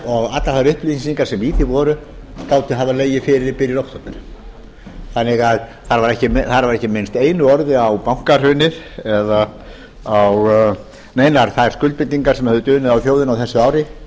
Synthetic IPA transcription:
ɔɣat̪laɾθaɾʏhplisiŋkaɾsɛmiːθɪvɔɾʏ | k̪aːwt̪ɪɦavaleːjɪfɪɾɪɾpɪɾjɪɾowhst̪ɔt̪nɪna | θanːɪɣaðθaɾvaɾɛhcɪmθaɾvaɾɛhcːɪmejnst̪eːjnʏɔɾðɪawpawŋ̥kar̥ʏːnɪð̥ɛða | aw | meːjnaɾ̥θaðɛɾskʏlt̪pɪnt̪ːiŋkaɾ̥sɛmhɛvðʏt̪ʏːnɪðawθjoːwðɪnawθɛsːʏaːwɾɪ

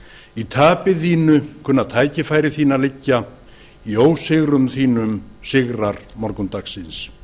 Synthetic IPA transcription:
it̪ʰaːpɪðiːnʏkʰʏnːaðt̪ʰaːjcɪfaːjɾɪθiːnalɪcːa | ioːwsɪɣɾʏmθiːnʏmsɪɣɾaɾmɔɾkʏnt̪aksɪns

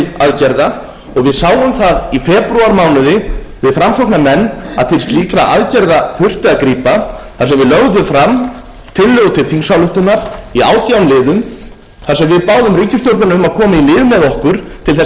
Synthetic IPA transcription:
aðcɛɾða | ɔɣvɪðsaːwʏmθaðifɛːpɾuaɾmaːwnʏðɪvɪðfɾamsɔknamɛnːa̰ðθe̥st̪liːkɾaʔa̰ðcɛɾðafʏr̥t̪ɪaðkɾiːpaθaɾsɛmvɪðlœɣðʏfɾam | t̪ʰɪlːœːɣʏt̪ʰɪlθiŋsawlʏht̪ʏnaɾ̥ia̰ːwt̪jawnlɪːðʏm | θaɾ̥rsɛmvɪðpaːwðʏmriːcɪst̪jowɾt̪nanʏmaðkʰɔːmaimɪːðmɛðɔhkʏɾ̥t̪ʰɪlθɛ

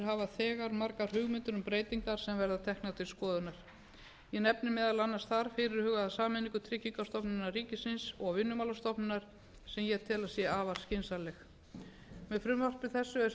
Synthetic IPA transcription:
ɾɦavaθɛːɣaɾmaɾkaɾ̥hʏɣmɪnt̪ʏɾʏmpɾeːjt̪iŋk̪aɾ̥sɛmvɛɾðat̪ʰɛhknat̪ʰɪlskɔːðʏnaɾ̥ | jɛnɛpnɪmɛːðalanːast̪θaɾ̥fɪɾɪɾ̥hʏːɣaasaːmɪniŋkʏt̪ʰɾɪcːiŋkast̪ɔpnɪnariːcɪsɪnsɔɣvɪnːʏmaːlast̪ɔpnɪnaɾ̥ | sɛmjɛt̪ʰɪlaðsjɛaːvaɾ̥scɪnsalɛx | mɛðfɾʏmvar̥p̪vɪðθɛsːʏes

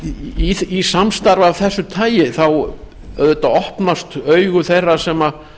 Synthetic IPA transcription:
iθisamst̪aɾvavθɛsːʏt̪ʰaːjɪθaw | œðɛt̪aɔhpnast̪œɥɣʏθejrːasɛma

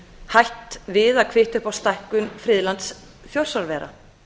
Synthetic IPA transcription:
hajht̪vɪðakʰvɪht̪ʏhpawst̪ajhkʏnfɾɪːðlant̪s | fjowr̥saɾvɛːɾʔa̰

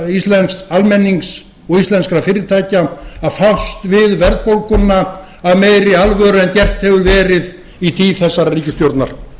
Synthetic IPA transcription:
ist̪lɛnksalmɛnːiŋks | ɔɣist̪lɛnskɾafɪːɾɪɾt̪ʰaːjcaaðfawst̪vɪðvɛɾt̪̚powlkʏnːa | aðmeːjɾɪalvœɾɛncɛr̥t̪hɛvʏɾvɛːɾɪð | it̪ʰiːθɛsːaɾariːcɪst̪jowɾt̪naɾ̥

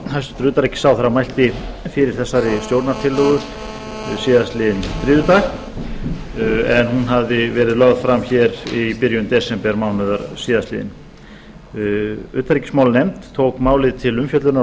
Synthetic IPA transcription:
hajst̪ɾʏːt̪aɾɛhcːɪ̥saːwθaɾamajl̥t̪ɪfɪɾɪɾ̥θɛsːaɾɪst̪jowɾt̪naɾt̪ʰɪlːɔɣʏ | siːðast̪lɪːðɪnt̪ɾɪːðʏt̪ax | ɛnhunɦaðɪvɛːɾɪðlœɣð̥fɾamçɛɾipɪɾjʏnt̪ɛsɛmpɛɾmaːwnʏðaɾsiːðast̪lɪ̰ːðɪ̰n | ʏ̰ːt̪ʰaɾicɪ̥smawlnejmt̪ʰːowkmaːwlɪðt̪ʰɪlʏmfjœt̪lʏɾna

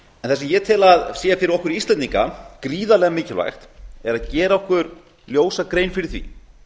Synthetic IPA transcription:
ɛnθɛsɪmjɛt̪ʰɪlaðseːjafɪɾɪɾɔhkʏɾiist̪lɛniŋka̰kɾiːðalɛːɣamɪːcɪlva̰jxt̪ɛɾaðcɛːɾaɔhkʏɾ | ljoːwsakɾejnfɪɾɪɾ̥θvḭ

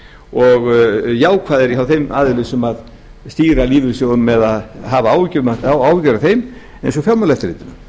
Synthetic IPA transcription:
ɔɣjaːwkʰvaːðɛɾiɦawθejmaːðɪlɪsʏmað | st̪iːɾaliːvɪɾsjoːwnmɛðaðɦavaaːwvcːvʏmaawawcɛɾaθejm | ɛejns̬ɔfjawmalɛft̪ɪɾlɪ̰ːt̪ɪnʏm

